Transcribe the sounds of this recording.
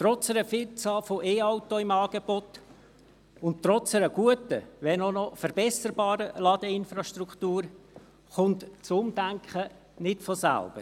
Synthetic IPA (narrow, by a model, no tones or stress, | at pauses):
t̪ɾɔt͡sɛɾəfɪlt͡sɑːlfoʔeːɑʊtoɪmɑːɡebot̪ | ʊnttːɾɔt͡sɛɾəɡ̥uətəʋɛnɔnɔfəɾbɛsəɾbɑːɾəlɑd̥̪əɪnfɾɑʃtɾuktuːɾ | χʊnt̪t͡sʊmdæŋkχə | nɪtfɔsæ̰lb̥ə̰ɾ